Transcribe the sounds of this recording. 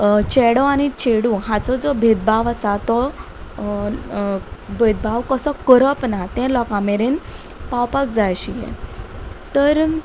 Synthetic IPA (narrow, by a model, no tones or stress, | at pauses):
t͡ɕɛɽɔaɽ̃it͡ɕeɽũɦãt͡sɔd͡zɔbʱed̪̚baʋasat̪ɔ | bʱed̪̚baʋkəsɔkəɾəpnat̪ɛ̃lɔkameɾen | pawpakd͡zajɕilɛ̰̃ | t̪əɾ